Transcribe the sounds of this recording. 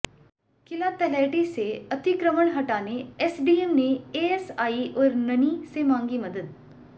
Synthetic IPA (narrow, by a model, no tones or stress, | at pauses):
kɪlat̪ɛlɛːʈiseɐt̪ɪkɾəməɽɦɐʈaːneɛːsɖiːemneeːesaːiʔɔːɾnɐnisemãːŋɡimɐd̪əd̪̚